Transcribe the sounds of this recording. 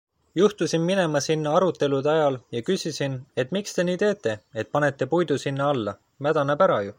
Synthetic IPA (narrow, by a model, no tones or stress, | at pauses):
juht̪usinmine̞mɑsinːɑɑɾut̪ˑːe̞lud̪ɑjɑljɑkysisine̞t̪ːˑmikst̪e̞niːt̪e̞ːt̪ˑːe̞e̞t̪̚pɑne̞t̪ːˑe̞pujd̪usinːɑɑlːɑ | mæd̪̥ɑnepæɾɑju